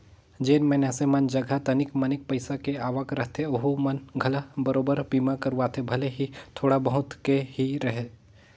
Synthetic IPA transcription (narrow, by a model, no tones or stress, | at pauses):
d͡ʒeːnmɛːnasemand͡ʒəɡʱat̪ɐnɪkmɐnɪk̚pəɪsakeaːʋəkɾɐɦt̪ʰeoɦumənɡʱɐlabəɾoːbəɾbiːmakəɾuʋaːt̪ʰebʱɐleɦit̪ʰoːɽabɐɦʊt̪kehiɾɐɦe